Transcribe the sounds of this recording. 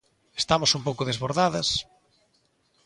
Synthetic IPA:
e̥st̪amʊsumpowkʊðezβoɾðaðɐs

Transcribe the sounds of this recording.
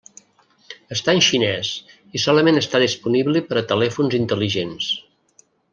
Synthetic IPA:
əst̪aənʲʃinɛs | isɔləmenəst̪aðispuniβlipəɾət̪əlɛfunzint̪əliʒens

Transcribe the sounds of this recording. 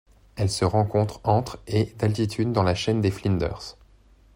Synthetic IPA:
ɛlsəʁɑ̃kɔ̃t̪χɑ̃t̪χed̪alt̪it̪ʰyd̪ːɑ̃laʃɛnd̪eflĩnd̪œ̰ʁs

